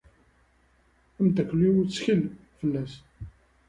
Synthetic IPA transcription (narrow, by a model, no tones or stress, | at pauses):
æmd̪ækʷːliwt͡sːçəl | fəlːæs